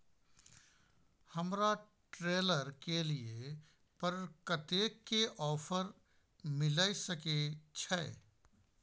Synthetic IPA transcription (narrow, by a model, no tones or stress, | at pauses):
həmɾa | ʈɾeːləɾkelie | pəɾkət̪eːkːeʔɔːpʰəɾ | mɪlaːisəket͡ʃʰɛ